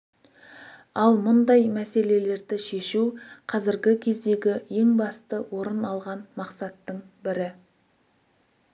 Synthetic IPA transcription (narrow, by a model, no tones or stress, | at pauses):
ɑlˠmʊnd̪ɑjmæse̞le̞le̞ɾd̪ɪʃe̞ʃuqʰɑzɪɾɡʲɪkʲʰe̞zd̪e̞ɡʲɪje̞ŋbɑst̪əwʔo̞ɾənɑlˠʁɑnmɑqsɑt̪ːəɴbɪɾɪ